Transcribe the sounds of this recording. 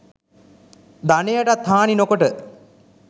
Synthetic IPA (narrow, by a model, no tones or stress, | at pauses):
d̪anejaʈat̪ʰːaːninokoʈə